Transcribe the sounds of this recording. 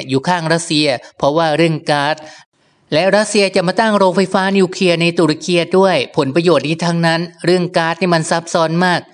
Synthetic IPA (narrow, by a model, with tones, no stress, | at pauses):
juː˨˩kʰaː˥˩ŋɾa˦˥t̪̚si˧ɐpʰɔ˦˥waː˥˩ɾɯ˥˩əŋkaː˦˥t̪̚ | lɛ˦˥ɾa˦˥t̪̚si˧ɐt͡ɕa˨˩maː˧˩t̪a˥˩ŋɾoː˧ŋfa˧˥jfaː˦˥ni˧kʰɾi˧ɐna˧jt̪uː˧˩ɾa˧˥kʰi˧ɐdu˥˩əjpʰo˩˦npɾa˧joː˨˩t̪̚niː˧˩t̪ʰa˧ŋna˦˥nɾɯ˥˩əŋkaː˦˥t̪̚niː˥˩ma˧nsa˦˥p̚sɔː˦˥nmaː˥˩k̚